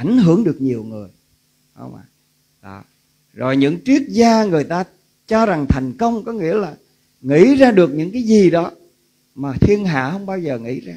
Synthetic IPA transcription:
ʔa˧˩jŋ̟ɦɨ˧˥əŋɗɨ˨˩ək̚ɲi˨˩əwŋɨ˨˩əj | hə̰˧wŋ͡mʔa̰˧˩ | ɗɔ̰˧˨ | zo˨˩jɲɨ̰˧˥ŋt͡ɕi˦˥ək̚zaː˧ŋɨ˨˩əjt̪aː˧ | t͡ɕɔ˧za˨˩ŋt̪ʰɛ˨˩jŋ̟kə˧wŋ͡mkɔ˨˦ŋḭ˧˥əlaː˨˩ | ŋḭ˧˥zaː˧ɗɨ˨˩ək̚ɲɨ̰˧˥ŋkaː˨˦jzi˨˩ɗɔ˨˦ | maː˨˩t̪ʰi˧ənɦa̰ː˧˨hə˧wŋ͡mɓaː˧wzəː˨˩ŋḭ˧˥zaː˧

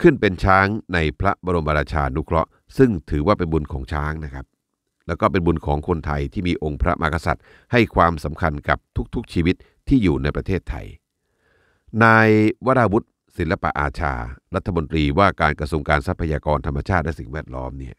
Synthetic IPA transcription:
kʰɯ˥˩npe˧nt͡ɕʰaː˦˥ŋna˧jpʰɾa˦bɔː˧ɾo˧mba˧ɾaː˧t͡ɕʰaː˧nu˦˥kʰɾɔ˦˥ | sɯ˥˩ŋt̪ʰɯː˩˦waː˥˩pe˧nbu˧nkʰɔː˩˦ŋt͡ɕʰaː˦˥ŋna˦˥kʰa˦˥p̚ | lɛ˦˥wkɔː˥˩pe˧nbu˧nkʰɔː˩˦ŋkʰo˧nt̪ʰa˧jt̪ʰiː˥˩miː˧ʔo˧ŋpʰɾa˦˥mʔa̰ː˧kʰa˧sa̰˨˩t̪̚ | ha˥˩jkʰwaː˧msa˩˦mkʰa˧nka˨˩p̚t̪ʰu˦˥k̚t̪ʰu˦˥k̚t͡ɕʰiː˧wi˦˥t̪̚ʰːiː˥˩juː˨˩na˧jpɾa˧t̪ʰeː˥˩t̪ʰːa̰˧j | naː˧jwa˦˥ɾaː˧wu˦˥t̪̚ | si˨˩˦nla˧pa̰˧ʔa̰ː˧t͡ɕʰa̰ː˧ɾa˦˥t̪ʰːa˧mo˧nt̪ɾiː˧waː˥˩kaː˧nkɾa˧su˧əŋkaː˧nsa˦˥pʰːa˧jaː˧kɔː˧nt̪ʰa˧mːa˧t͡ɕʰaː˥˩t̪̚lɛ˦˥si˨˩ŋwɛː˥˩t̪̚lɔ̰ː˦˥mni˥˩ɐ

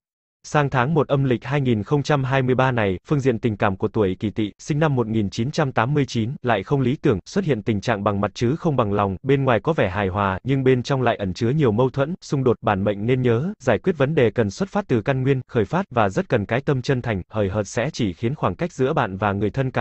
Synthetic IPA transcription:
saː˧ŋt̪ʰaː˨˦ŋmo˨˩t̚ʔə˧mlï˨˩k̟̚haː˧jŋi˨˩nxə˧wŋ͡mt͡ɕa˧mɦaː˧jmɨ˧əjɓaː˧na˨˩jfɨ˧əŋzḭ˧˨ənt̪ï˨˩ŋ̟kaː˧˩mku˧˩ət̪u˧˩əki˧˩t̪ʰḭ˧˨sï˧ŋ̟na˧mːo˨˩t̚ŋi˨˩nt͡ɕi˨˦nt͡ɕa˧mt̪aː˨˦mːɨ˧əjt͡ɕi˨˦nla̰ː˧˨jxə˧wŋ͡mli˨˦t̪ɨ˧˩əŋswə˦˥t̚hḭ˧˨ənt̪ï˨˩ŋ̟t͡ɕa̰ː˧˨ŋɓa˨˩ŋma˨˩t̚t͡ɕɨ˨˦xə˧wŋ͡mɓa˨˩ŋlɔ˨˩wŋ͡mɓe˧nŋwaː˨˩jkɔ˨˦vɛ˧˩ɦaː˨˩jɦwaː˨˩ɲɨ˧ŋɓe˧nt͡ɕɔ˧wŋ͡mla̰ː˧˨jʔə˧˩nt͡ɕɨ˨˦əɲi˨˩əwmə˧wt̪ʰwə̰˧˥nsʊ˧ŋ͡mɗo˨˩t̚ɓaː˧˩nɓə̰˧˨ŋ̟ne˧nɲəː˨˦zaː˧˩jkwi˦˥ət̚və˨˦nɗe˨˩kə˨˩nswə˦˥t̚faː˦˥t̚t̪ɨ˨˩ka˧nŋwi˧ənxəː˧˩jfaː˦˥t̚vaː˨˩zə˦˥t̚kə˨˩nkaː˨˦jt̪ə˧mt͡ɕə˧nt̪ʰa˨˩jŋ̟həː˧˩jɦəː˨˩t̚sɛ̰˧˥t͡ɕi˧˩xi˨˦ənxwaː˧˩ŋka˦˥jk̟̚zɨ̰˧˥əɓa̰ː˧˨nvaː˨˩ŋɨ˨˩əjt̪ʰə˧nka˧˩

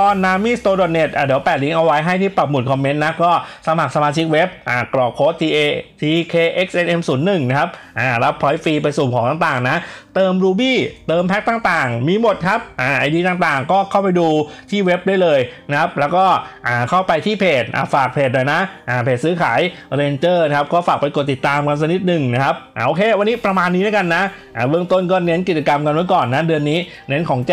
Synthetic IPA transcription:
ɔː˧nnːaː˦˥mːiː˥˩st̪oː˧ɾo˨˩t̪̚ne˨˩t̪̚ʔaː˧˩di˩˦wpɛː˨˩t̪̚li˨˦ŋʔa˧wa˦˥jɦa˥˩jt̪ʰiː˥˩pa˨˩p̚mu˨˩t̪̚kʰɔː˧mːe˦˥nːa˦˥kɔː˥˩sa˧ma˨˩k̚sa˧maː˧t͡ɕʰi˦˥k̚we˦˥p̚ʔaː˧˨˩kɾɔː˨˩kʰoː˦˥t̪ʰːiː˧ʔeː˧t̪ʰiː˧kʰeː˧ʔe˦˥k̚sʔe˧nʔe˧msuː˩˦nːɯ˨˩ŋna˦˥kʰa˦˥p̚ʔaː˨˩ɾa˦˥pʰːɔː˦˥jfiː˧pa˧jsuː˨˩kʰɔː˩˦ŋaː˨˩ŋt̪aː˨˩ŋna˦˥t̪ɤː˧mɾuː˧biː˥˩t̪ɤː˧mpʰɛ˦˥k̚t̪aː˨˩ŋt̪aː˨˩ŋmiː˧mo˨˩t̪̚kʰa˦˥p̚ʔaː˧˩ʔa˧jdiː˧t̪aː˨˩ŋt̪aː˨˩ŋkɔː˥˩kʰa˥˩wpa˧jduː˧t̪ʰiː˥˩we˦˥p̚daː˥˩jlɤː˧jna˦˥kʰa˦˥p̚lɛː˦˥wkɔː˥˩ʔaː˨˩kʰa˥˩wpa˧jt̪ʰiː˥˩pʰeː˨˩t̪̚ʔa̰ː˨˩faː˨˩k̚pʰeː˨˩t̪̚laː˨˩jna˦˥ʔʔaː˨˩pʰeː˨˩sɯː˦˥kʰaː˩˦jɾeː˧nt͡ɕɤː˥˩n˧˦kʰa˦˥p̚kɔː˥˩faː˨˩k̚pa˧jko˨˩t̪ːi˨˩t̪ːaː˧mka˧nsa˧ni˦˩t̪̚nɯ˨˩ŋna˦˥kʰa˦˥p̚ʔaː˧˩ʔoː˧kʰeː˧wa˧nːiː˦˥pɾa˧maː˧nːiː˦˥na˦ka˧nːa˦˥ | ʔaː˨˩bɯ˥˩əŋt̪o˥˩nkɔː˥˩ne˦˥nk̬i˨˩t̪̚t͡ɕa˧ka˧mka˧nmɯ˥˩kɔː˨˩nːa˦˥dɯ˧ənːiː˦˥ | ne˦˥nkʰɔː˩˦ŋt͡ɕ

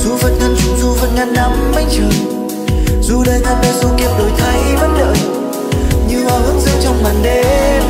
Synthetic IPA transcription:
zu˧˦və˨˩t̚ŋə˧nt͡ɕʊ˨˧˩ŋ͡mzu˧˦və˨˩t̚ŋa˧˨˩nna˧mːa˧˦jt͡ɕɨ˨˩əŋ | zu˧ɗəː˨˧jŋa˧nɗəː˧˩zu˧ki˧˩əp̚ɗo˨˩˦jt̪ʰa˧jvə˧˦nɗə̰ː˨j | ɲɨ˧haː˨˧˩hɨ˨˧˦ŋzɨ̰˧˨ŋt͡ɕɔ˧wŋ͡mɓaː˨˩nɗe˧

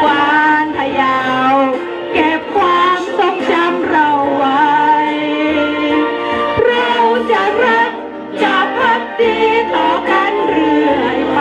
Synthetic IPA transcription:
kwaː˧np̪ʰa˧jaː˧w | ke˨˩p̚kʰwaː˧mso˧˥ŋt͡ɕa˧˥mɾa˧wːa˧˦˥j | ɾa˧wt͡ɕa˨˩ɾa˦˥t̚ | t͡ɕa˨˩pʰa˦˥t̚diː˧t̪ɔː˧˩kaː˧˩nɾɯ˧˩əj

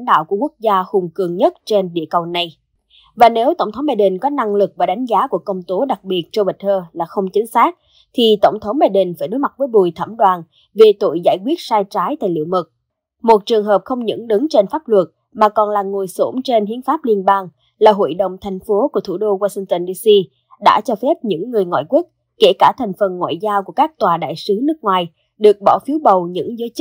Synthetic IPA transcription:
nɗa̰ː˧˨wku˧˩əku˦˥ək̚zaː˧hʊ˨˩ŋ͡mkɨ˨˩əŋɲə˦˥t̚t͡ɕe˧nɗḭ˧˨əkə˨˩wna˨˩j | vaː˨˩ne˨˦wt̪ə˧˩wŋ͡mt̪ʰə˨˦wŋ͡mɓaː˧jɗï˨˩n̟kɔ˨˦na˧ŋlɨ˨˩k̚vaː˨˩ɗa˨˦jŋ̟zaː˨˦ku˧˩əkə˧wŋ͡mt̪o˨˦ɗa˨˩k̚ɓi˨˩ət̚t͡ɕɔ˧ɓə˨˩t̪ʰəː˧laː˨˩xə˧wŋ͡mt͡ɕï˨˦ŋ̟saː˦˥k̚ | t̪ʰi˨˩t̪ə˧˩wŋ͡mt̪ʰə˨˦wŋ͡mɓaː˧jɗï˨˩ŋ̟faː˧˩jɗo˨˦jma˨˩t̚vəː˨˦jɓu˨˩jt̪ʰə̰˧˩mɗwaː˨˩n | ve˨˩t̪o̰˧˨jzaː˧˩jkwi˦˥t̚saː˧jt͡ɕaː˨˦jt̪a̰ː˧˨jlḭ˧˨əmɨ˨˩t̚ | mo˨˩t̚t͡ɕɨ˨˩əŋɦəː˨˩p̚xə˧wŋ͡mɲɨ̰˧˥ŋɗɨ˨˦ŋt͡ɕe˧nfaː˦˥p̚lwə˨˩t̚ | maː˨˩kɔ˨˩nlaː˨˩ŋo˨˩jso˧˥mt͡ɕe˧nhi˧˥ənfaː˦˥p̚li˧ənɓaː˧ŋ | laː˨˩ɦo̰˧˨jɗə̰˧˨wŋ͡mt̪ʰɛ˨˩jŋ̟fo˨˦ku˧˩ət̪ʰu˧˩ɗo˧ɣwaː˧sï˧ŋt̪ə˧nɗi˧si˧ | ɗa̰ː˧˥t͡ɕɔ˧fɛ˦˥p̚ɲɨ̰˧˥ŋːɨ˨˩əjŋwa̰ː˧˨jkwi˦˥ət̚ | ke˧˩kaː˧˩t̪ʰɛ˨˩jŋ̟fə˨˩nŋwa̰ː˧˨jzaː˧wku˧˩əkaː˦˥k̚t̪waː˨˩ɗa̰ː˧˨jsɨ˨˦nɨ˦˥ək̚ŋwaː˨˩j | ɗɨ˨˩ək̚ɓɔ˧˩fi˨˦əwɓə˨˩wɲɨ̰˧˥ŋzəː˨˦jt͡ɕ̚

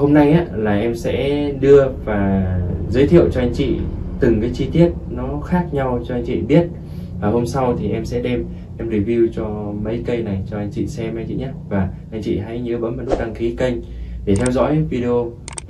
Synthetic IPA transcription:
ho˧mna˧jʔaː˨˦laː˨˩ʔɛ˧msɛ̰˧˥ɗɨ˧əvaː˨˩zəː˨˦jt̪ʰḭ˧˨əwt͡ɕɔ˧ʔa˧jŋ̟t͡ɕḭ˧˨t̪ɨ˨˩ŋkaː˨˦jt͡ɕi˧t̪i˦˥ət̚nɔ˨˦xaː˦˥k̚ɲa˧wt͡ɕɔ˧a˧jŋ̟t͡ɕḭ˧˨ɓi˦˥ət̚ | vaː˨˩ho˧msa˧wt̪ʰi˨˩ʔɛ˧msɛ̰˧˥ɗɛ˧m | ʔɛ˧mɹi˨˧˩vi˧wt͡ɕɔ˧mə̰˧˥jkə˧jna˨˩jt͡ɕɔ˧ʔa˧jŋ̟t͡ɕḭ˧˨sɛ˧mʔa˧j̟t͡ɕḭ˧˨ɲaː˨˦vaː˨˩ʔa˧jŋ̟t͡ɕḭ˧˨ɦa̰˧˥jɲɨ˨˦ɓə̰˧˥nmə̰˧˥nɗu˦˥t̚t̪a˧ŋxi˨˦kə˧jŋ̟ | ɗe˨˩t̪ʰɛ˧wzɔ̰˧˥jvi˧ɗi˧o˧

